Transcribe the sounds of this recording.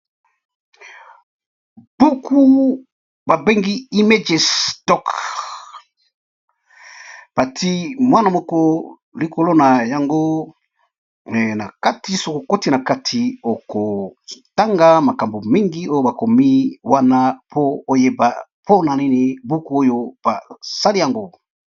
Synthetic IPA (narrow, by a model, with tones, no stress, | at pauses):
b̥u˦ku˦ | ba˨be˦ŋɡi˦i˦me˦d͡ʒe˨stɔ˦k | b̥a˨tʰi˦mwa˦na˨mɔ˦kɔ˦ | li˨ko˨lo˦na˨ja˨ŋɡo˦˨ | na˨ka˦ti˦so˦ko˨ko˦ti˦na˨ka˦tʰi˨o˨ko˨ta˦ŋɡa˦ma˨ka˨mbo˨mi˦ŋɡi˦o˦jo˦ba˨ko˨mi˦wa˦na˦pʰoː˦je˦ba˨ | pʰo˦na˨ni˦ni˨bu˦ku˦o˦jo˦b̥a˨sa˦li˦ja˨ŋɡo˦